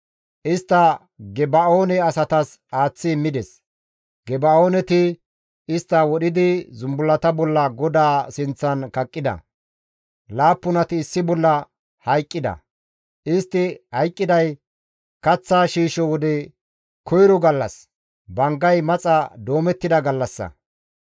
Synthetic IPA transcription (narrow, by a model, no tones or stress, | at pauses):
ʔɪst̪ːɐ | ɡɛbɐo̞ːnɛɐsɐt̪ɐs | aːt͡sːɪːmːɪd̪ɛs | ɡɛbɐoːnɛt̪ɪ | ɪst̪ːɐwɔɗɪd̪ɪzʊmbʊlːɐt̪ɐbɔlːɐɡɔd̪aːsɪnt͡sːɐnkɐkʼːɪd̪ɐ̰ | laːpːʊnɐt̪ɪːsːɪbɔlːɐ | hɐjkʼːɪd̪ɐ̰ | ʔɪst̪ːɪhɐjkʼːɪd̪ɐj | kɐt͡sːaːʃiːʃɔwɔd̪ɛ | kʰɔjɾɔɡɐlːɐ̰s | bɐŋɡɐjmɐt͡sʼɐd̪o̞ːmɛt̪ːɪd̪ɐɡɐlːɐsːɐ̰